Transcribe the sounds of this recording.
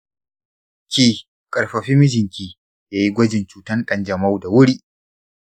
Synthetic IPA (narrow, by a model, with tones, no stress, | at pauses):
kʲiː˦˨ | kʼɐ˨ɽɸɐ˨ɸiː˦mɪ˦d͡ʒɪ˨ŋkʲiː˦ | jaː˦ji˦ɡʷɔ˦d͡ʒɪ˨nt͡ʃuː˨tɐ˦nɗɐ˦nd͡ʒɐ˨ma˦wda˨wʊ˦ɽiː˦ʔ